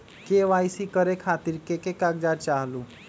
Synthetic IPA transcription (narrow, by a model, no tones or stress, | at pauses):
keʋajsikəɾekʰat̪iːɾkekekaɡd͡ʒaɾt͡ʃaɦlu